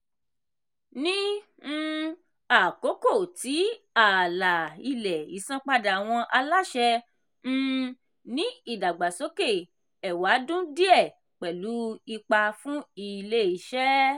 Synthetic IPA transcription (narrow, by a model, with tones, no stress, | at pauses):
nĩ˦ | a˦˨ko˨˦ko˦˨ti˨˦ | a˦˨la˨i˧lɛ˨i˨˦sã˦k͡pa˧da˨a˨w̃ɔ̃˧ʔa˧la˦ʃɛ̃˧˦ | nĩ˦i˦˨da˨ɡ͡ba˨so˨˦ke˦˨ | ɛ˨wa˨˦dũ˦di˦ɛ˦˨ | k͡pɛ˨lu˨˦i˧k͡pa˧fũ˦i˦˧le˦˨i˨˧˦ʃɛ˦